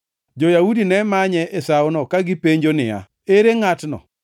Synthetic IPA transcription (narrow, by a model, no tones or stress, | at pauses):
d͡ʒojaudinɛmaɲɛʔesaʊnɔkaɡɪpeɲd͡ʒonɪja̰ | eɾeŋatnɔ̰